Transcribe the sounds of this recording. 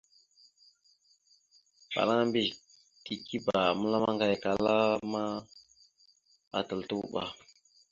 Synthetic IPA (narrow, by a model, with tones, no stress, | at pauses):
ɓa̰˨la˦ŋ˦mbi˦˨ʃ | ti˨ki˦ba˨mə˦la˦ma˦ŋɡa˨jka˨la˦ma˦ | a̰˨tə˨ltu˦ɓ̰a˨